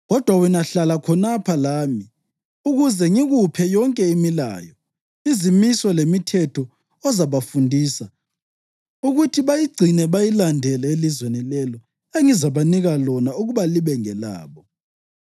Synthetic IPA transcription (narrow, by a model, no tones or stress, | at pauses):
ɣɔd̥ʱwawinaɬalakʰɔnapʰalaːmi | uɣuzɛŋiɣupʰɛjɔŋkʼɛimila̰ːjɔ | izimisɔlemitʰɛtʰɔ | ɔzaβafundʱiːsa | uɣutʰiβajiɡ͡ǀʱinɛβajilandʱɛlɛelizwenilɛlɔ | eŋizaβaniɣalɔnauɣuβaliβɛŋɛla̰ːβɔ